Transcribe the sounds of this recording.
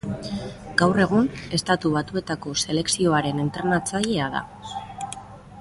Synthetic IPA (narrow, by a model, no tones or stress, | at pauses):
ɡ̥awre̞ɣ̞une̞st̪at̪uβ̞at̪ue̞t̪ako̞se̞le̞ksio̞aɾe̞ne̞nt̪ɾenat͡saʎe̞að̞a̰